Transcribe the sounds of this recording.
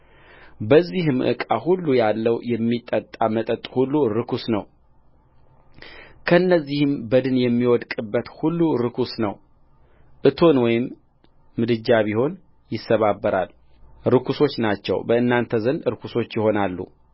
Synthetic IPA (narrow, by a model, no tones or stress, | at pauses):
bəzːihɨmʔɨ̰kʼahulːujalːəwjɛmːit̪ʼːət̪ʼːamət̪ʼət̪ʼhulːuɾɨkʰusnəw | kʰəɨnːəzːihɨmbəd̪ɨnjɛmːiwɔd̪kʼɨbːət̪hulːuɾɨkʰusnəw | ʔɨt̪ʰo̞nwɔjɪmː | ɨd̪ɨd͡ʒːaβiho̞n | jɪsːəβabːəɾa̰l | ɾɨkʰuso̞t͡ʃːnat͡ʃːɛ̰wbəɨnːant̪ʰəzənd̪ɨɾɨkʰuso̞t͡ʃːjɪho̞nalːṵ